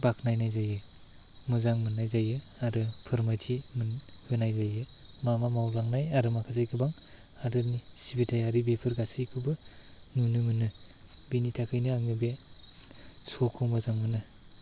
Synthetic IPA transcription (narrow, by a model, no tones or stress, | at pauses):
bakʰnajnajzajɯ | mɯzaŋmɯnːajzajɯ | aɾɯpʰɯɾmatʰimɯn | hɯnajzajɯmamamawlaŋnajaɾɯmakʰazajkʰɯbaŋ | adɯɾnisibetʰajaɾibepʰɯɾɡasijkʰɯbɯ | nunɯmɯnɯ | benitʰakʰɯjnɯaŋɯbe | sokʰɯmɯzaŋmɯnɯ